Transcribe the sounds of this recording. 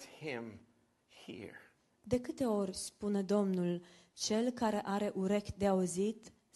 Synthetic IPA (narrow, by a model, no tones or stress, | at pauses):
hɪ̃m | hḭɹ | d̪e̞kɨt̪e̞o̞rʲspuned̪o̞mnul | t͡ʃe̞lkaɾe̞ʔaɾe̞ʔuɾe̞kd̪e̞auzit̪